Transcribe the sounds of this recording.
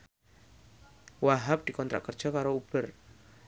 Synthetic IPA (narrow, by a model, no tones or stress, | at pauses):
waɦap̚d̪̥i̤kɔnt̪ɾa̰ʔkər̥ʒ̥ɔkaɾoub̥ər